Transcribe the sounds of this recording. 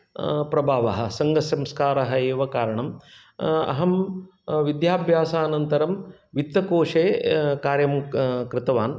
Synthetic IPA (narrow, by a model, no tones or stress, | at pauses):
pɾɐbʱaːʋɐɦɐ̆sɐŋɡɐsjɐmskaːɾɐɦɐeːʋɐkaːɾɐɳɐm | ɐ̰ɦɐm | ʋid̪jaːbʱjaːsaːnɐnt̪ɐɾɐmʋit̪ːɐkoːʂeːkaːɾjɐmkɾɪt̪ɐʋaːn